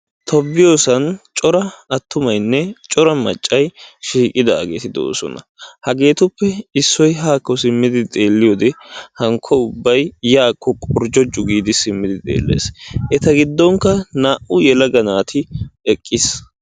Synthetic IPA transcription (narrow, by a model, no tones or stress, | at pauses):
t̪ʰɔbːɪjo̞ːsɐnt͡ʃʼɔɾɐɐt̪ːʊmɐjnːɛt͡ʃʼɔɾɐmɐ̰t͡ʃʼːɐjʃiːkʼɪd̪aːɡeːt̪ɪd̪o̞̰ːsɔ̰nɐ̰ | hɐɡe̞ːt̪ʊpːɛɪsːɔjɦaːkːɔsɪmːɪd̪ɪt̪ʼe̞ːlːɪjoːd̪ɛhɐŋkʰɔʊbːɐjjaːkʰːɔkʼɔɾd͡ʒɔd͡ʒʊɡiːd̪ɪsɪmːɪd̪ɪt̪ʼe̞̰ːlːḛːsʔɛt̪ɐɡɪd̪ːɔŋkːɐnaːʔʊjɛlɐɡɐnaːt̪ʰɪɛkʼːɪs